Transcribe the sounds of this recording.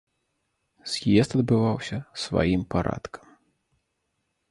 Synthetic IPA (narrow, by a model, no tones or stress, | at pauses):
z̥ʲjɛst̪ɐd̪̚bɨvawsʲɐsva̰jimpaɾa̰t̪kʰɐ̥m